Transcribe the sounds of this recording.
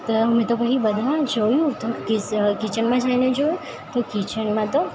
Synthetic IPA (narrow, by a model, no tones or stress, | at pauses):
t̪əmẽt̪okəɦibəd̪ʱad͡ʒojũt̪okiskit͡ʃəɳmãd͡ʒained͡ʒojũ | t̪okit͡ʃəɳmãt̪o